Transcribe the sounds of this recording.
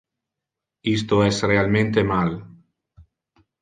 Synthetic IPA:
ist̪oɛsrealmẽnt̪emal

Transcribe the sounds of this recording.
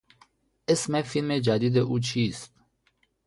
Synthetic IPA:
esmefilmed͡ʒaːd̪id̪eʔut͡ɕʰiːst̪

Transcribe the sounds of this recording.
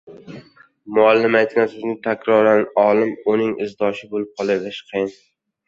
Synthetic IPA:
mʊalːɪmajt̪̚kʲansɪznɪŋt̪ʰakʲɾɒɾanɒlɪmʊnɪŋɪzd̪ɒʃɪbolɪp̚qʰɒlˠalɪʃqʰɨjɪn

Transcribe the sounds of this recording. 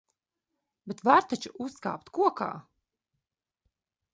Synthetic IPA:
bet̪vaɾt̪at͡ʃuʔusːka̰ːpt̪kuɔka̰ː

